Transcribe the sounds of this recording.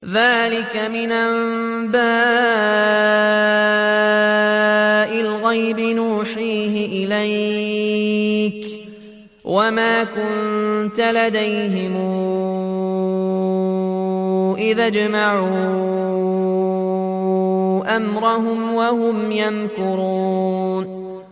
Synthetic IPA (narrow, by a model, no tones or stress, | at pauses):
ðaːlɪkamɪnʔamm | baː | ʔɪlɣajbɪnuːħiːɦɪʔɪlaj | k | wʔamaːkʊnnt̪alad̪ajɦɪmu | ʔɪðad͡ʒmaʕuː | ʔamɾˤɑhʊmwaɦʊmjankʊɾun